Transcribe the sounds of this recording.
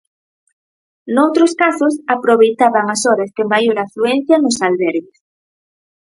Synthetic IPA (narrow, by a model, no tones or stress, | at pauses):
nowt̪ɾoskasosapɾoβejt̪aβaŋasoɾast̪emajolafɾuẽn̟θjanosalβeɾɣes